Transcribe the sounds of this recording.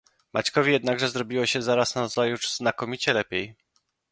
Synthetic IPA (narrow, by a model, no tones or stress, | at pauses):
mʔat͡ɕkɔvʲijɛd̪naɡʐɛzɾɔbʲiwɔɕɛzaɾasnaɾɔzajuʐznakɔmʲit͡ɕɛlɛpʲjej